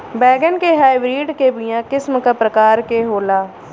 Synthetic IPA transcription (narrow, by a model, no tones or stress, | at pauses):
bɛːɡənkeɦaːiʋɾiːɖkebɪjãːkɪsmkapɾəkaːɾkeɦoːlaː